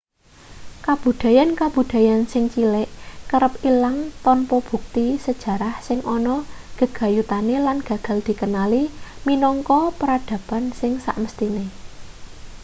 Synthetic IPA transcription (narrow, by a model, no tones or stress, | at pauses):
kab̥ṳd̪̥ä̤jankab̥ṳd̪̥a̤jansɪŋt͡ʃilɛʔkəɾəp̚ilaŋt̪ɔnpɔb̥ṳk̚t̪isəd̥ʒ̥ä̤ɾahsɪŋʔɔnɔɡ̥ə̤ɡ̥a̤jut̪anelanɡ̥a̤ɡ̥a̤ld̪̥i̤kənaliminɔŋkɔpəɾad̪̥ä̤pansɪŋsa̰ʔməst̪ine